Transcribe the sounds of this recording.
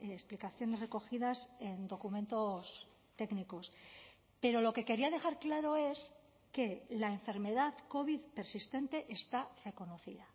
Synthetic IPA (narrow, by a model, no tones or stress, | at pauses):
esplikaθjo̞ne̞zre̞ko̞xiðase̞nd̪o̞kumẽ̞nt̪o̞s | t̪e̞kniko̞s | pe̞ɾo̞lo̞ke̞ke̞ɾiað̞e̞xaɾklaɾo̞e̞s | ke̞laeɱfe̞ɾme̞ðaðko̞βiðpe̞ɾsist̪e̞nt̪e̞ʔest̪are̞ko̞no̞θḭða